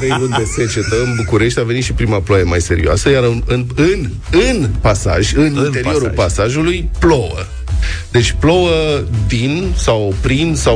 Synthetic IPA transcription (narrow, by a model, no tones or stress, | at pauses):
ɾejvund̪est͡ʃet͡ʃet̪əɨnbukuɾe̞ʃt̪ʲave̞nit̪ʃipɾimaploajemajse̞ɾḭoa̰səjaɾɨnɨnɨn | ɨnpasa̰ʒʲɨnine̞ɾio̞ɾulpasaʒulujplo̞wə̰ | d̪e̞t͡ʃʲplo̞wəd̪insawpɾinsa